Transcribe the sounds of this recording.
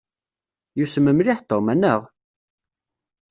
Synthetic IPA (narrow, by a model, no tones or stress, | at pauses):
jusəmːəmlɪħt̪ˤːomænəʁ